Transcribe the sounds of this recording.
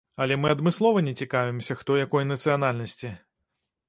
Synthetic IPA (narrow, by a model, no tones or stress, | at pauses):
ɐlʲɛmɨɐd̪mɨslˠɔvɐnʲɛt͡sʲikavʲɛmsʲɐxt̪ɔjakɔjnɐt̪sɨjanalʲnɐsʲt͡sʲi